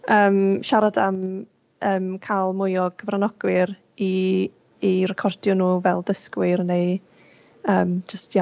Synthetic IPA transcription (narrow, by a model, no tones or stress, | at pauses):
əːmʃaɾadam | əːmkʰalˠmʊjɔɡʰəvranɔɡ̥wɪɾ | iː | rɛkʰɔrd̥jɔnuːvɛlˠdəskwɪɾneɨ | əːmd͡ʒəstʰja